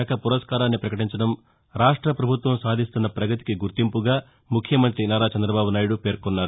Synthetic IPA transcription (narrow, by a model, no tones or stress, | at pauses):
ɐkɐpuɾɐskaːɾaːnːipɾɐkɐʈiɲt͡ʃɐɖɐm | ɾaːʂʈɾɐpɾɐbʱut̪ʋɐmsaːd̪ʱist̪unːɐpɾɐɡɐt̪i̥kiɡuɾt̪impuɡaː | mukʰjɐmɐnt̪ɾinaːɾaːt͡ʃɐnd̪ɾɐbaːbunaːjuɽupe̞ːɾkonːaːɾu